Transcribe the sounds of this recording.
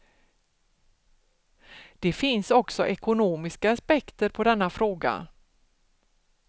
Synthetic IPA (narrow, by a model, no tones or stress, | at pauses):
d̪̥ɛfɪnsɔksɔʔɛkʊnoːmɪskaaspɛkt̪əɾpʰɔd̪ɛnːafɾoːɡa̰